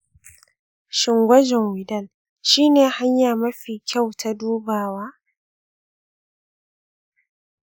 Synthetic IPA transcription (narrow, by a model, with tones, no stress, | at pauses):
ʃɪ˨ŋɡʷɐ˦d͡ʒɛ˨ŋwɪ˨dɐ˦˨l | ʃiː˦neː˨ha˦ɲjaː˨mɐ˦ɸiː˨kʲʰa˦˨wtʰa˦duː˦baː˨waː˦